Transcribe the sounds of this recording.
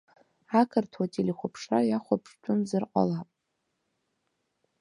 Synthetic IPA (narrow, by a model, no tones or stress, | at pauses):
akʰɨrtʰwatʼeleχʷapʰʂajaχʷapʰʂt͡ʃʼʊnzɨrqʷʼa̰lapʼ